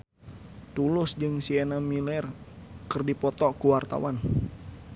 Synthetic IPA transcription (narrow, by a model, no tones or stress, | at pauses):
t̪ulʊsd͡ʒɨŋsienamilɛrkɨrdipɔt̪ɔkuwart̪a̰wan